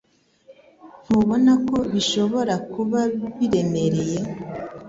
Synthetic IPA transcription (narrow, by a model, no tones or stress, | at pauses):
m̥uβo̞nako̞βiʃo̞βo̞ɾakuβaβiɾe̞me̞ɾe̞je̞